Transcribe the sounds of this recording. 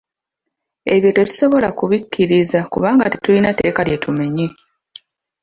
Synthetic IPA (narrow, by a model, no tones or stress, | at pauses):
e̞βjo̞te̞tu̥so̞βo̞lakuβikʰːiɾizakuβaːŋɡati̥tulinate̞ːkalje̞tʰume̞ɲi